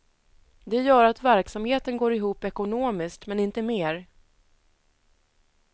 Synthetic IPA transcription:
d̪ɛjœːɾat̪væɾksamheːt̪ənɡoːɾɪɦuːpɛkʊnoːmɪskt̪mɛnɪnt̪əmeːɾ

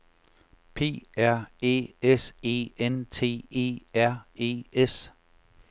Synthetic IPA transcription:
pʰe̝̰ːæɐ̰e̝̰ːese̝̰ːent͡sʰe̝̰ːe̝̰ːæɐ̰e̝̰ːes

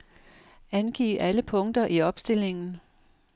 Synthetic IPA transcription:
ænɡ̥ḭːʔæləpʰɔ̽ŋd̥ɐʔiɒ̽b̥sd̥e̝l̰e̝ŋn̩

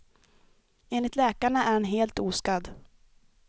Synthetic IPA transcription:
eːnlɪt̪lɛːkaɳaʔæɾhɛnɦeːlt̪uːskad̪

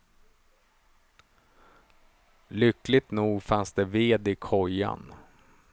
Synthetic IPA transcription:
lʏklɪt̪nuːɡfansd̪ɛveːd̪ɪkʰɔja̰n

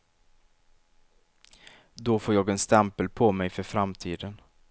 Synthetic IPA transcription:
d̪ofoːɾjɑːɡɛnst̪ɛmpəlpʰɔmɛjfœɾfɾamt̪ʰiːd̪ən

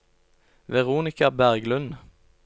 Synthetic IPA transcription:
ʋɛʁuːnɪkɑbæʁɡlʉn

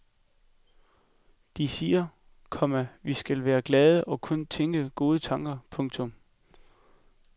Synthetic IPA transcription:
d̥isiːɐ | kʰɒ̽mæʋisɡ̥ælʋæːɐɡ̥lɛːð̞ˠəʔɒ̽kʰɔ̽nt͡sʰeŋ̰ɡ̥əɡ̥o̝ːð̞ˠət͡sʰɑ̈ŋ̰ɡ̥ɐpʰɔ̽ŋt͡sʰɔ̽m

